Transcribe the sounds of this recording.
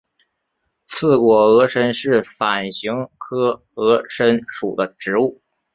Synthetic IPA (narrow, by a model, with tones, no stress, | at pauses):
t͡sʰɹ̩˥˩kwɔ˨˩ɤ˧˥ʂə˥nʂɻ̩˥˩fa˨˩nɕi˧˥ŋkʰɤ˥ | ɤ˧˥ʂə˥nʂu˨˩d̪ə˦ʈ͡ʂɻ̩˧˥u˥˩